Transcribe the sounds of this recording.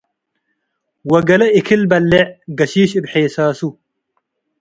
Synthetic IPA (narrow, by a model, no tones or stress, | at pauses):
wɐɡɐlɐikʰilbɐlːeɡɐɕiːɕibħeːsaːsu